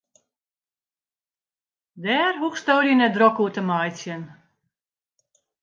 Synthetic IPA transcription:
dɛːrɦuxstoːɾjənɛd̪rɔkutəmajt͡sjən

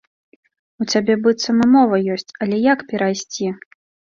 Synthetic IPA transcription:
ut͡sʲabʲɛbɨt̪sɐmɨmɔvɐjɔsʲt͡sʲɐlʲɛjakpʲɛɾajsʲt͡sʲi

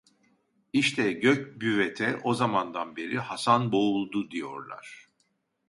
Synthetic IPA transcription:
iʃt̪ʰɛɟøcbyvɛt̪ʰɛʔo̞zamand̪anbe̞ɾihasanbo̞ulˠd̪ud̪ijo̞̰ɾlˠa̰ɾ̥

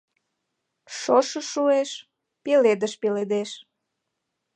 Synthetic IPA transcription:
ʃoʃəʃueʃ | peled̪əʃpeled̪eʃ

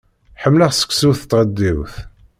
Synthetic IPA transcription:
ħəmːləʁsə̥kːsuθt̪ːʁəd̪ːiwθ

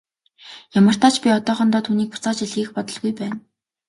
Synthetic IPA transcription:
jamə̆r̥t̪aːt͡ɕpʲiɔt̪ɔːχɞ̆nt̪ɔːt̪ʰuːniːk̚pʊ̥t͡saːt͡ɕiɮɣiːxpɔt̪ɞ̆ɮɣujpæːn

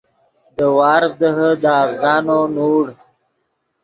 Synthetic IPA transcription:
d̪əwɑːɾd̪əɦəd̪əavzɑːnonuːɽ

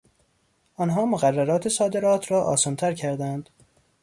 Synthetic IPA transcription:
ʔɒːnɦɒːmoɣærːæɾɒːt̪ʰe̞sɒːd̪e̞ɾɒːt̪ʰɾɒːʔɒ̰ːsɒːnt̪ʰæɾcʰæɾd̪ænd̪̥

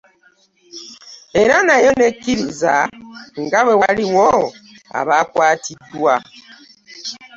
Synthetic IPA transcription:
eɾanajɔnekiɾiza̰ŋ̩ɡawɛwaɾiwɔ | a̰βakwatidua

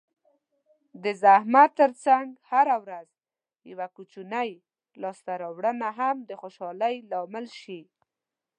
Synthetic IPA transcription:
d̪əzahmat̪ːəɾt͡saŋɡhaɾawɾaz | ja̰wakut͡ʃunaj | lɑst̪aɾɑwɽənaɦamd̪əxoʃɑləjlɑmɪlʃi

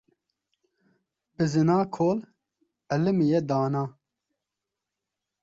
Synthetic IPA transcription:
bɨzɨnaːkʰoːl | ɛlɨmijɛd̪aːnɑː

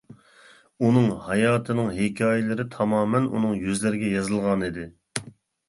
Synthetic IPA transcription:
unɨŋhɑjɑːt̪ʰɨnɨŋɦekʲʰɑːjɪlˠɨɾɪt̪ʰɑmɑːmɛnṵnɨŋjyzlɪɾɪɡʲɛjɑzɨlˠʁɑnid̪ɪ

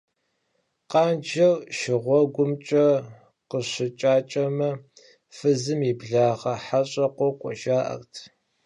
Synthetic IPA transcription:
qɑːnd͡ʒɐwʃɪʁʷɔɡʷʊmt͡ʃʼɐ | qəɕɪt͡ʃʼaːt͡ʃʼɐmɐ | fɨzɨmibɮaːʁɐħaɕʼɐqʷɔqʷʼɔʒaːʔɐ̰rtʰ

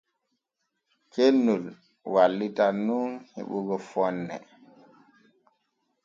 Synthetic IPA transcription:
kenːul | walːitanunhḭɓuɡɔfɔnːɛ̰

